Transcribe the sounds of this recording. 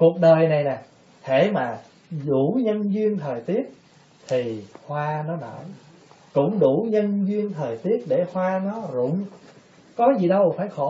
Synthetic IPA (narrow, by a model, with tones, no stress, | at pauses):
ku˨˩ək̚ɗəː˨˩jna˨˩jnaː˨˩ | t̪ʰe˧˩maː˨˩ | zɗu˧˩ɲə˧nzwi˧ənt̪ʰəː˨˩jt̪i˦˥əp̚ | t̪ʰi˨˩hwaː˧nɔ˨˦na̰˧˩j | kʊ̰˧˥ŋ͡mɗu˧˩ɲə˧nzwi˧ənt̪ʰəː˨˩jt̪i˦˥ət̚ɗe˧˩hwaː˧nɔ˨˦zʊ̰˧˥ŋ͡m | kɔ˨˦zi˨˩ɗə˧wfaː˧˩jxɔ˧˩